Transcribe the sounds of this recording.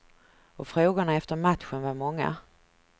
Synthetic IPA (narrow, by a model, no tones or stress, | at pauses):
ɔfɾoːɡʊɳaɛft̪əɾmat̪ɧənvaɾmɔŋːa̰